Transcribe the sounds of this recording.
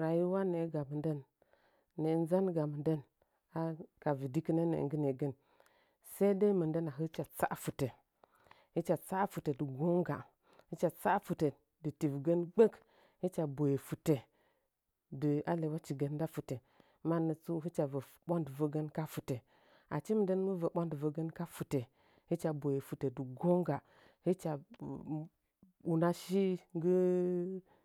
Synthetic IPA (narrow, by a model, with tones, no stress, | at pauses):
ɾa˨ji˦wa˦ne˨˦ɡa˨mə˨ndə˦nː | e˨n˦za˦nɡa˨mə˨ndə˦n | a˦ka˨vi˨di˦kə˦ne˦nḛ˨ŋɡə˦ne˨ɡə˦n | se˦i˦de˦mə˨ndə˦na˨ɦə˦t͡ʃa˨t͡sa˦ʔfu˨te˨ | hi˦t͡ʃa˨t͡sa˦fu˨te˨də˨ɡo˦ŋ˦ɡa̰˨ | hi˦t͡ʃa˨t͡sa˦fu˨te˨ | də˨ti˨vɡə˦nɡ͡bə˦k | hi˦t͡ʃa˨bo˨je˨fu˨te˨ | dɨ˨a˦le˨wa˦t͡ʃi˨ɡə˦n˦da˦fu˨te˨ | ma˦˨nə˨t͡su˦i˦t͡ʃa˨və˨ | ɓo˦ndvə˦ɡə˦nka˦fu˨te˨ | a̰˨t͡ʃi˦m˨də˦n˦mə˦və˨ɓo˦ndvə˨ɡə˦nka˦fu˨te˨ | hi˦t͡ʃa˨bo˨je˨fu˨te˨də˨ɡo˦ŋɡa˨ | hi˦t͡ʃa˨ | u˨na˦ʃi˦ŋɡə˦